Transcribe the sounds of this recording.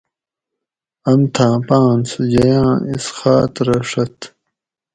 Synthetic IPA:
ɐmt̪ʰãːpãːnsud͡ʑɐjãːisxaːt̪ɾɐʂɐt̪

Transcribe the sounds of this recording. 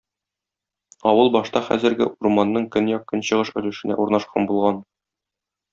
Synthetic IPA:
ɒwɤlˠbɒʃt̪ɑχæ̰zɘ̆ɾɡɘ̰ʔurmɑnːɤɴkɵnjɒq̚kːɵnɕɤ̆ʁɤʃɵ̆lɘ̆ʃɘ̆næ̰ʔuɾnɑʃqʰɑnbulˠʁɑn

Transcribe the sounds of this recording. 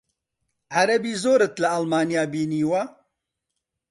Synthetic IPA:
ʕaɾɐbiːzoːɾɨt̪lɐɐlmaːnijaːbiːniːwa

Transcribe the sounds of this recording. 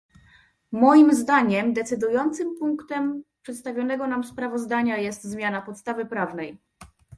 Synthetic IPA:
mɔjimzd̪aɲɛmd̪ɛt̪sɘd̪ujɔnt̪sɘmpuŋkt̪ɛmpʂɛt̪st̪avʲjɔn̪ɛɡɔnamspɾavɔzd̪aɲajɛst̪zmʲjanapɔt̪st̪avɘpɾavnɛj

